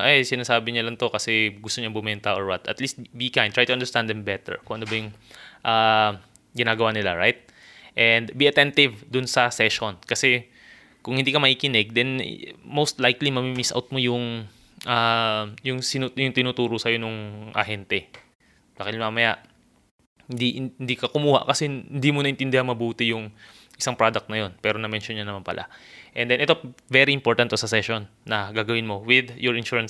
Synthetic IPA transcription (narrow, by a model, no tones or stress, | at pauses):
ʔɛjsɪnaːsaːbɪɲɐlɐŋt̪o̞kɐsɛɡʊst̪oɲɐbʊmɛnt̪ɐʔoɹwɐt̪ʔɐ̰t̪list̪̚bikãj̃nd̪t̪ɹajt̪ʊʔɐ̃nd̪ɛɹst̪ãnd̪ɛmbɛt̪ɛ̰ɹkʊ̃ŋʔɐnobɐjʊŋ | ʔa | ɡɪnaːɡɐwaːnɪla̰ɹajt̪̚ | ʔɛnd̪biʔɐt̪ɛnt̪ɪvd̪ʊnsɐsɛʃonkɐsɛ | kʊŋhɪnd̪iːkɐmɐʔiːkɪnɛɡ̚d̪ɛn̰mowst̪lajklimɐmimisʔa̰wt̪̚mojʊŋ | ʔajʊŋsɪnujʊŋt̪ɪnuːt̪uːɾosɐjo̞nʊŋʔɐ̰hɛnt̪ɛ | bakɪlmamɐjaʔ | d̪iɪnd̪ikɐkʊmuːha̰ʔkɐsɛhɪnd̪imonɐʔɪnt̪ɪnd̪ɪhanmɐbuːt̪ɪjʊŋ | ʔɪsaŋpɾad̪ɐk̚t̪nɐjo̞npɛːɾo̞nɐmɛnʃonɲɐnɐmanpɐ̰lʔa̰ʔɛnd̪ɛnʔɛt̪ovɛɾiʔɪmpo̞ɹt̪ɐnt̪ːosɐsɛʃonːɐɡaːɡɐwɪnmowɪd̪jɔɹɪnʃuːɹɐn